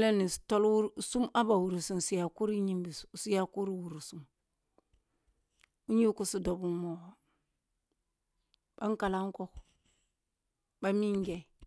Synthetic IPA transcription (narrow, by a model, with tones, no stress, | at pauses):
le˦ni˨sto˦lwu˦ɾsu˦ma˦ba˨wu˨ɾu˨su˦m˨si˦ja˨ku˦ɾi˦ɲi˦mbi˨ssi˦ja˦ku˦ɾi˦wu˨ɾu˨su˨˦m | u˦ɲi˦ku˦si˨do˨bu˦mo˨w | ba˦ŋ˦ka˨la˦ŋ˦ko˦k | ba˦mi˦ŋ˦ɡe˨